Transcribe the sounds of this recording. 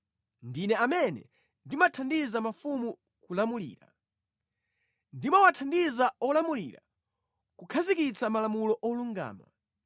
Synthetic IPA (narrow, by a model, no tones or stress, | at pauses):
ndinɛamɛnɛ̰ | ndimatʰandizamafumu | kulamulḭːɾa̰ | ndimawatʰandizaɔlamulḭːɾa̰ | kukʰazikit͡samalamulɔʔɔluŋɡa̰ːma̰